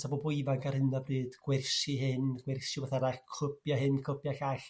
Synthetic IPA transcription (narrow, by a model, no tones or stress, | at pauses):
tʰabɔbʊɨvaɡarhɪnabrɨːd̥ɡ̥wɛrsɨɦɪnɡwɛrsɪvaθanakʰʊpjaɦɨnkʰʊbjaɬaɬ